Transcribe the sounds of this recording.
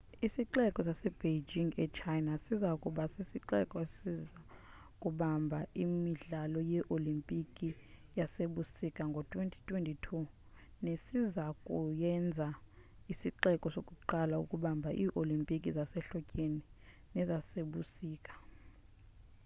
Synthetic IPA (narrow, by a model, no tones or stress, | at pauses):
isiǃɛkʼɔsasɛb̥ed͡ʒiŋɡɛt͡ʃʰajnasizaukʼuɓasisiǃɛkʼɔsiza | kʼuɓambʱaimiɮalɔjɛʔolimpʼikʼi | jaseɓusikʼaŋɡʱɔtʼwentʰʼi̥tʼwentʼitʰu | nesizakʼujɛnd͡zʱa | isiǃɛkʼɔsokʼuǃalaṵkʼuɓambʱaʔiːʔolimpʼikʼizasɛɬɔcʼeni | nɛzaseɓusiːkʼḁ